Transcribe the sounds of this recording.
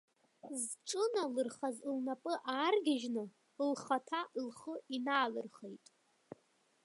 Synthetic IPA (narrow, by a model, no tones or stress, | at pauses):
zʈ͡ʂʼɨnalɨrχazlnapʼɨʔaːrɡʲaʒnɨ | lχatʰalχəinaːlɨrχejtʼ